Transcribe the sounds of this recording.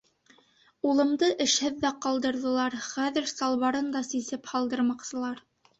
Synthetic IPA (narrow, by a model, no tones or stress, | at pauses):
ulˠɤ̆md̪ɤʔɘ̆ʃhɘðːæqɑlˠd̪ɤ̆ɾðɤ̆lˠɑɾχæðɘ̆ɾsɑlˠβɑɾɤnd̪ɑsisɘphɑlˠd̪ɤ̆ɾmɑqsɤ̆lˠɑɾ